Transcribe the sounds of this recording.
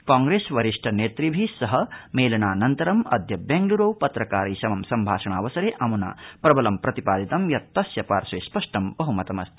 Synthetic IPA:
kaːŋɡɾeːsʋɐɾiʂʈʰɐneːt̪ɾibʱisɐɦɐmeːlɐɳaːnɐnt̪ɐɾɐmɐ̰d̪ʱjɐbeːŋɡluɾɐwpɐt̪ɾɐkaːɾiːʃɐmɐmsɐmbʱaːʃɐɳ̃aːʋɐsɐɾeːʔɐmuna̰ːpɾɐbɐlɐmpɾɐt̪ipaːd̪it̪ɐmjɐt̪ːɐsjɐpaːɾʃeːspɐʂʈɐmbɐɦumɐt̪ɐmɐst̪e

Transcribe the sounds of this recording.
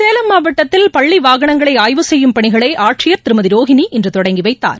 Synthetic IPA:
seːlɐmːaːbɐʈːɐt̪ːɪlpɐɭːiʋaːɣɐɳɐŋɡɐɭɐɪaːjʋɯsɛjːɯmpɐɳɪɣɐɭɐɪʔaːʈʂɪjɐɾt̪ɪɾɯmɐðɪɾoːɣɪniʔɪndrɯt̪ɔɽɐŋɡiʋɐɪt̪ːa̰ːɾ

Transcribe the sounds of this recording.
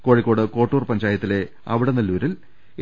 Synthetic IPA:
ko̞ːɻikːo̞ːɽɨko̞ːʈːuːrpɐɲd͡ʑaːjɐt̪ːile̞ | ɐʋiɽenɐlːuʋɾil

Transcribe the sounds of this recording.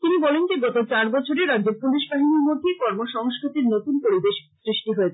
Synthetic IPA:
t̪inibɔlend͡ʑeɡɔt̪ot͡ɕaɾbɔt͡ɕʰoɾeɾadd͡ʑeɾpudeʃbaɦinimoɾt̪ʰekɔɾmoʃɔŋskɾit̪iɾnot̪unpoɾibeʃsɾiʃʈiɦoet͡ɕʰe

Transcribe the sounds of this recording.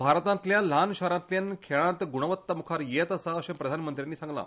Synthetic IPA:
bʱaɾt̪ãnt̪ljalanɕaɾãnt̪ljankʰeɭãt̪ɡuɽ̃əʋət̪ːəmukʰaɾjet̪əsaəɕẽpɾəd̪ʱanmənt̪ɾjanːiːsãŋɡla̰

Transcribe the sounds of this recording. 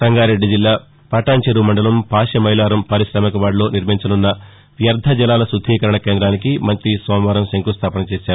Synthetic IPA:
sɐŋɡaːɾe̞ɖːid͡ʒilːaː | pɐʈaːɲt͡ʃɐɾumɐɳɖɐlɐmpaːʃjɐmɐɦjlaːɾɐmpɐɾisɾɐːmɐkɐʋaːɽlo̞ːniɾmiɲt͡ʃɐnunːɐ | ʋjɐɾd̪ʱɐd͡ʒɐlaːlɐsud̪ʱːiːkɐɾɐɳɐke̞ːnd̪ɾaːnikimɐnt̪ɾisɔːmʋɐːɾɐmseŋkust̪ʰaːpɐnɐt͡ʃeːsaːɾu

